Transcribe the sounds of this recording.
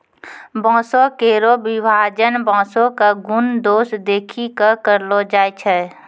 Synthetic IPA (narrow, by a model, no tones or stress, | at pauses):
bɔ̃ːsokeːɾobɪbʱaːd͡ʒənbɔ̃ːsõkaɡʊnd̪oːsd̪eːkʰikakəɾlod͡ʒaːjt͡ʃʰɛː